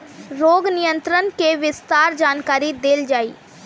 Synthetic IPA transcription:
ɾoːɡnɪjə̃nt̪ɾənkeʋɪst̪aːɾd͡ʒaːnkaːɾid̪eːld͡ʒaːiː

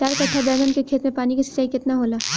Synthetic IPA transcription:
t͡ʃaːɾkɐt͡ʃʰad̪ɐmənkekʰeːt̪mẽpaːnikesɪ̥saikɪt̪naɦoːlaː

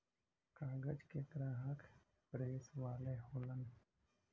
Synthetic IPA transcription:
kaːɡəd͡ʒket̪əɾaɦəkʰ | pɾeːsʋaːleɦoːlən

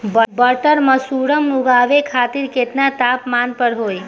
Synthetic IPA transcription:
bəbəʈəɾmãsuɽəmːuɡaʋekʰat̪iɾket̪nat̪apmanpəɾɦoj

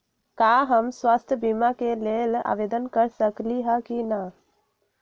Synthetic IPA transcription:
kaɦəmswast̪ʰjəbimakelela̰ʋed̪ənkəɾsəkliɦəkina

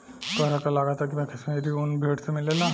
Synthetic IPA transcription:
kəɾakalaɡat̪ak̬imɛkʰesmeɾiunbʱeʈsemilːela

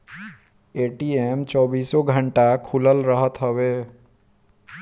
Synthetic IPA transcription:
eːʈieːmt͡ʃɔːbiːsɔɡʱə̃ɳʈakʰʊləlɾəɦət̪ɦəweː

